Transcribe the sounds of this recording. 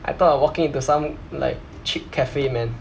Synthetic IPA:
ʔa̰ɪt̪ɔtawɔkɪ̃ŋĩntusãmla̰ɪk̚ | t͡ʃʰip̚kʰɛfemɛ̃n

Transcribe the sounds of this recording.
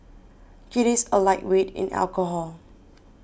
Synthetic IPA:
kiɾisəlaɪʔ̚wetɪ̰̃nʔɛ̰lkəɦɔl

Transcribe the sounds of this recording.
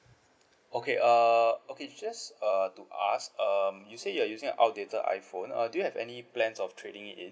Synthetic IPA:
okeʔʌoked͡ʒasʌtuʔa̰skʌmjusejuajuzɪ̃ŋə̰̃nʔa̰wt̚detəʔa̰jfõnʌ̰dujuhɛvɛ̰niplɛ̃nsɔftʰɹedĩŋḭ̃n

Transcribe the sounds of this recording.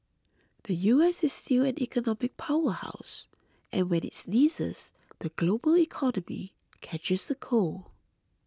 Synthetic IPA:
d̪̥əjuɛsɪsstilɛ̃nikənɔmɪk̚pʰaʊəha̰ʊs | ʔɛ̃nwɛ̃nɪ̰tsnizə̰z | d̪̥əɡlobəlikʰɔnəmḭ | kʰɛt͡ʃɪsðəkʰo

